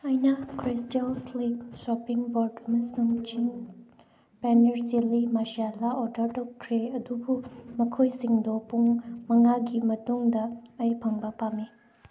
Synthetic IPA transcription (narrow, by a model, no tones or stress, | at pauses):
ɐjnɐkɾistelslipsɔpiŋboɾdɐmɐsuŋt͡ʃiŋ | pɛneɾsilimaʃialaodɐɾtɐkʰɾeɐdubumɐkʰojsiŋdopuŋmɐŋaɡimɐtuŋdɐɐjpʰɐŋbɐpame